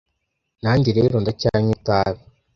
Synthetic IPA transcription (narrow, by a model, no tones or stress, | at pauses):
naɲɟiɾeɾondacaɲutaːβi